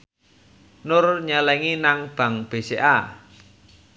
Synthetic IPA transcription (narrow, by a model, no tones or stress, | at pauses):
nʊrɲalɛŋinaŋb̥ä̤ŋb̥e̤seʔa